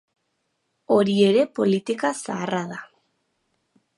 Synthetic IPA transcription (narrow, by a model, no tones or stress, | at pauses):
o̞ɾie̞ɾe̞po̞lit̪ikasa̰ːraða